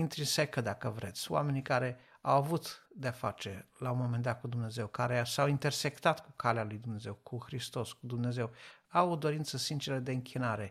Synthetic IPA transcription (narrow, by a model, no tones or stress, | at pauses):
int̪ɾinse̞kəd̪akəvɾʔe̞̰t̪sʲo̰a̰me̞nikaɾe̞awavut̪d̪eafa̰t͡ʃe̞launmo̞mend̪at̪̚kud̪umneze̞wkaɾe̞sawint̪e̞rse̞kt̪at̪kukalealujd̪umne̞ze̞wkʰuxɾist̪o̞skud̪umne̞ze̞wawod̪o̞ɾint̪səsint͡ʃeɾəd̪e̞ɨŋkʰʲinaɾe̞